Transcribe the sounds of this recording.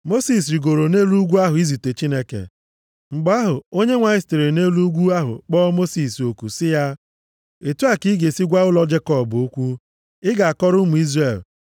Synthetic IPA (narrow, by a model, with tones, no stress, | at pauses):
mo˦si˨s̬ɾi˨ɡo˨ɾo˨ne˦lu˦ɡʷu˦a˦ɦʊ˨i˦zi˨te˨t͡ʃi˦ne˦kḛ˨ | ŋ͡m̩˨ɡ͡ba˦ɦʊ˨o˦ɲe˦ŋʷa˨ɪ˦ste˨ɾe˨ne˦lu˦ɡʷu˦a˦ɦʊ̰˨k͡pɔː˦mo˦si˨so˨ku˨sɪ˦ja˦ | e˨tu˦a˦˨ki˦ɡe˨si˦ɡʷa˦ʊ˦lɔ˦d͡ʒe˦kɔ˦˨bo˦kʷu˦ | ɪ˦ɡa˨a˨kɔ˦ɾʊ˦mʊ˨i˦zre˦˨l